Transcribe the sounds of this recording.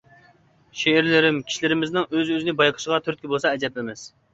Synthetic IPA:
ʃeɪɾlɪɾɪmkʲʰi̥ʃilɪɾɪmɪznɪŋøzøzɪnɪbɑjqʰə̥ʃəʁɑt̪ʰyɾt̪̚kʲibolˠsɑɛd͡ʒɛp̚lɪmɪz̥

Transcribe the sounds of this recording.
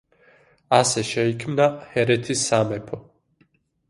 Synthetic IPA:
asɛʃɛikʰmnahɛɾɛt̪ʰisːamɛpʰɔ

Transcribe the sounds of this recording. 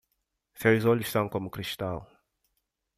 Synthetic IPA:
sewzoʎʊʃsɐ̃w̃komʊkɾiʃt̪al

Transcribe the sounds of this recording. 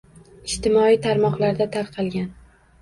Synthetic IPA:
ɪʃt̪ɪmɒit̪ʰaɾmɒqlˠaɾd̪at̪ʰaɾqʰɑlˠɡʲan

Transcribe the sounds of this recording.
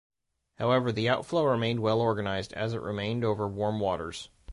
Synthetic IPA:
haʊɛvə˞ðiaʊtfloʊɹɨmẽɪ̃nd̚wɛlˠɔɹɡɨnaɪzdɨ̰zɨʔɹɪ̰mẽɪ̃ndoʊvə˞wɔɹmwɔɾə̰˞z̥

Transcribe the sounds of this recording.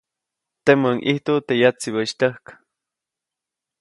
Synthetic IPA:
t̪eməŋʔiht̪ot̪ejat͡siwəʃt̪əhkḁ

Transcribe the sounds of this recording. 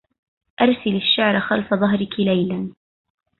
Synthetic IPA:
ʔɑɾˤsɪlaʃːaʕɾˤaxalfaðˤɑɦɾɪkɪlajlan

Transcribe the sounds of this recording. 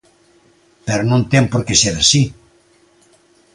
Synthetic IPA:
pɛɾonõnt̪ɛmpoɾkeseɾasi

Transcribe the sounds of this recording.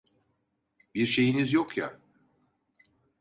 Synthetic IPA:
biɾʃe̞jinizjokja̰

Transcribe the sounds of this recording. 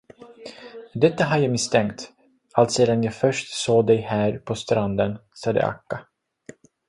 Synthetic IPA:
d̪ɛt̪ːaɦaɾjaːmɪst̪ʰɛŋkt̪ | alt̪seːd̪anjɑːɡfœʂʈsoːd̪ɛjhæːɾpʰɔst̪ɾand̪ənsɑːd̪ə̰ʔa̰kːa

